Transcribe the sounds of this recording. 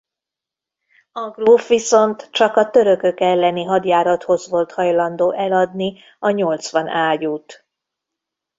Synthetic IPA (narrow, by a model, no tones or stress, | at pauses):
ɒɡruːfʋiso̞nt̪t͡ʃɒkɒt̪ø̞ɾø̞kø̞kɛlːɛniɦɒd̪jaːɾɒt̪ho̞zʋo̞lt̪hɒjlɒnd̪oːʔɛlɒd̪ni | ɒɲo̞lt̪sʋɒnaːɟuːt̪